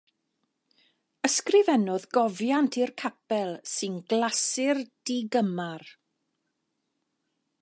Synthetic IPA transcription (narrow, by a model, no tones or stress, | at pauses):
əskrɪvɛnɔðɡɔvjantʰirkʰapɛlˠsɨnɡlˠasɪrd̥iɡəmar